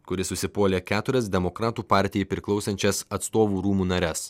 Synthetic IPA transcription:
kʊɾʲɪsʊsʲɪpoːlʲeːkʲæːt̪ʊɾʲɛs̬d̪ʲɛmokɾɑːt̪uːpɑˑɾʲt̪ʲɪjɛɪpʲɾʲɪklˠɒʊsʲɛnʲt͡ʃʲɛsɐt̪st̪oːʋuːɾuːmuːnɐɾʲɛs

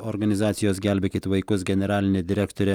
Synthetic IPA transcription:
oɾɡɐnʲɪzɑːt̪sʲɪjoːsɡʲælʲbʲɛkʲɪt̪ʋɐjkʊsɡʲɛnʲɛɾɑːlʲɪnʲed̪ʲɪɾʲɛkt̪oɾʲɛ

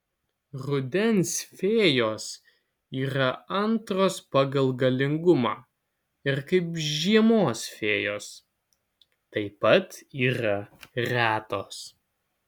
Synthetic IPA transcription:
ɾʊd̪ʲɛnsfʲeːjoːs | iːɾɐɐnt̪ɾoːspɑɡɐlˠɡɐlʲɪŋɡʊmɑː | ɪɾkɐɪpʒʲiɛmoːsfʲeːjoːs | t̪ɐɪpɐt̪iːɾɐɾʲæːt̪oːs

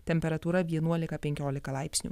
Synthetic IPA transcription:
t̪ʲɛmʲpʲɛɾɐt̪uːɾɐʋʲiɛnuɔlʲɪkɐpʲɛŋʲkʲoːlʲɪkɐlˠɑˑɪpʲsʲnʲṵ

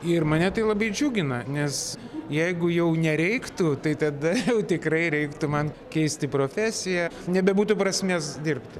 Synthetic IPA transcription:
ɪrmɐnʲɛt̪ɐɪlˠɐbɐɪd͡ʒʲuːɡʲɪnɐnʲɛs | jɛɪɡʊjɛʊnʲɛɾʲɛɪkt̪ʊt̪ɐɪt̪ɐd̪ɐjɛʊt̪ʲɪkrɐɪɾʲɛɪkt̪ʊmɐn | kʲɛɪsʲt̪ʲɪpɾoːfʲæːsʲɪjænʲɛbʲɛbuːt̪ʊpɾɐsʲmʲeːsd̪ʲɪrpt̪ʲɪ

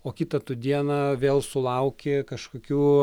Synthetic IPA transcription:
oːkʲɪt̪ɐt̪ʊd̪ʲiɛnɐʋʲeːlˠsʊlˠɐʊkʲekɐʃkoːkʲuː

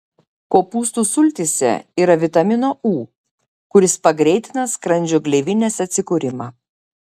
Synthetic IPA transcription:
koːpuːst̪uːsʊlʲt̪ʲisʲɛ̰iːɾɐʋʲɪt̪ɐmʲɪnoːʔuː | kʊɾʲɪspɐɡɾʲɛɪt̪ʲɪnɐskɾɐnʲd͡ʒʲʊɡlʲɛʋʲɪnʲeːsɐt̪ʲsʲɪkuːɾʲɪmɑː

